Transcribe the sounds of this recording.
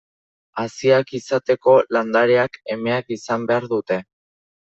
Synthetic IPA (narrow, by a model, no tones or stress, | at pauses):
asiakisat̪e̞ko̞land̪aɾeake̞me̞akisambe̞aɾðut̪e̞